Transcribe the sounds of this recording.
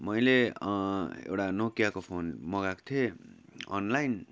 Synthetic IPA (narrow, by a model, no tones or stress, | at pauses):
mʌjle | ḛwʈanokjakopʰonmʌɡakt̪ʰie | ʌ̰nlajn